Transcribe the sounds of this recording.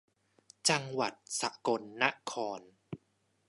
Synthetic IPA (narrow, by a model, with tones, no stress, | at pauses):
t͡ɕa˧ŋwa˨˩t̪̚sa̰˨˩ko˧nːa˦˥ʔkʰɔː˧n